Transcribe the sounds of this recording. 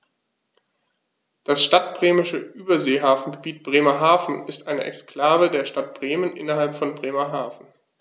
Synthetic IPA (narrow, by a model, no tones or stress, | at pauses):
d̥asʃtat̚b̥ʁeːmɪʃəʔyːbɐzeːɦaːfn̩ɡəbiːt̚b̥ʁeːmɐɦaːfn̩ɪstʔaɪnəʔɛ̰kskl̥aːvədeːɐʃtat̚b̥ʁeːmənʔɪ̰nɐɦalpfɔnbʁeːmɐɦaːfn̩